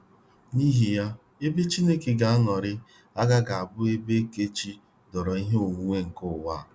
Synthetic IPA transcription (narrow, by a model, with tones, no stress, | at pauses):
niː˦ɦi˨ja˦ | e˦be˦t͡ʃi˦ne˦ke˨ɡa˨˦a˦nɔ˨ɾɪ˦ | a˦ɡa˦ɡa˨a˨bʊ˦e˦be˦ke˦t͡ʃi˦ | dɔ˨ɾɔ˨i˦ɦe˦o˨ŋʷu˦ŋʷe˦ŋ̩˨kʊ˦˨wa˦˨